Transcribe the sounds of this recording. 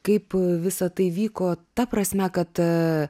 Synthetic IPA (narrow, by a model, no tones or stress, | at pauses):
kɐɪpʋʲɪsɐt̪ɐɪʋʲiːkoːt̪ɐpɾɐsʲmʲɛkɐt̪